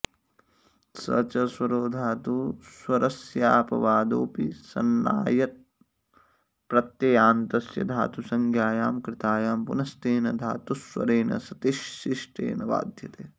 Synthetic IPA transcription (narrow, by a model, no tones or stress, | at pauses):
sɐ̰t͡ʃɐswɐɾoːd̪ʱaːt̪uswɐɾɐsjaːpɐ̰ʋaːd̪oːpisɐ̰nːa̰ːjɐt̪̚ | pɾɐt̪jɐjaːnt̪ɐsjɐ̰d̪ʱaːt̪usɐŋɡʱjaːjaːmkɾɪt̪aːjaːmpunɐsʈ̪eːnɐd̪ʱaːt̪uswɐ̰ɾeːnɐ̰sɐt̪iʃːiʂʈʰḛːnɐʋa̰ːd̪ʱjɐt̪eː